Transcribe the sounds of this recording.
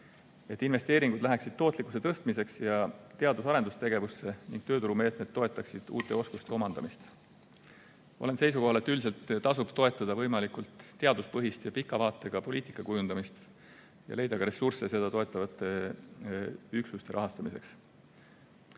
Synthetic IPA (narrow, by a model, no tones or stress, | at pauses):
e̞t̪ːˑinve̞st̪e̞ːɾiŋɡ̥ud̪læɦæksid̪̥̚t̪o̞ːt̪ˑlikːˑu̥se̞t̪ɤst̪mise̞ksjɑt̪e̞ɑd̪usɑɾe̞nd̪ust̪e̞ɡe̞vusːe̞niŋɡ̥̚t̪øːt̪uɾume̞ːt̪me̞t̪ːo̞e̞t̪ːˑɑksid̪̥ṵːt̪ːˑe̞o̞skust̪e̞o̞mɑnd̪ɑmist̪ | ole̞nse̞jsuko̞ɦɑlet̪ːˑylse̞lt̪t̪ɑsub̥t̪o̞e̞t̪ːˑɑd̪ɑvɤ̞jmɑlikult̪ːe̞ɑd̪uspɤɦist̪jɑpikːˑɑvɑːt̪ːˑe̞ɡ̥ɑpo̞liːt̪i̥kːˑɑkujund̪̥ɑmist̪ | jɑ̰le̞jd̪ɑkɑɾe̞surse̞se̞d̪ɑt̪o̞e̞t̪ːˑɑvɑt̪ːˑe̞ | yksust̪e̞ɾʔɑɦɑst̪ɑmise̞̰ks